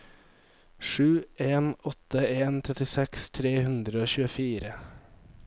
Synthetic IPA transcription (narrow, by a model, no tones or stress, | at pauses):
ʃʉːʔeːnɔt̪əeːnt̪ʰɾɛt̪ɪsɛkst̪ʰɾeːhʉnd̪ɾəoːçʉːəfiːɾə